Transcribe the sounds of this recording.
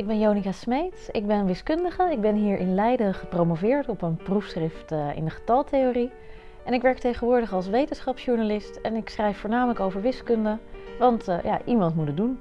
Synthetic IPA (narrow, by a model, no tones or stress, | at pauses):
ɪɡ̚bɛnjownikasmejtɪɡ̚bɛnənʋɪskɵndəχəɪɡ̚bɛnɦiːɹʔɪnlɛjdəχəprowmovɪːɹtɔpənprufsχrɪftɪ̰ndəχə̥tɑlˠtejoːri | ɛnɪkʋɛɹk̚tejχənʋʊːɹdəχɑlˠs̬ʋejtənsχɑpsʃuɹnalɪstɛnɪksχrɛjfːʊːɹnaːmələkowvəɹʋɪskɵndəʋɑntja̰ʔimɑntmutədun